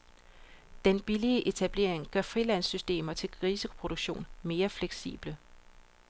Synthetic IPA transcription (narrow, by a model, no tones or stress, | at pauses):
d̥enb̥iliəʔe̝t͡sʰæb̥le̝̰ɐ̰eŋɡ̥ɶɐfʁilæn̰sːysd̥e̝̰ːmɐt͡sʰe̝lʰʁisəo̥pʰʁo̝d̥oɡ̥ɕo̝̰ːnme̝ːɐfleɡ̥sḭːb̥lə